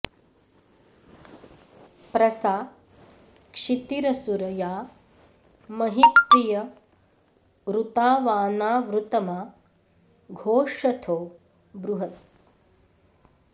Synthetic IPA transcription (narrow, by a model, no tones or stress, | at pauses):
pɾɐsaː | kʂit̪iɾɐsuɾɐjaː | mɐɦit̪ːijɐ | ɾut̪aːʋaːnaːʋɾut̪ɐmaː | ɡʱoːʂɐt̪ʰoː | bɾuɦɐt̪̚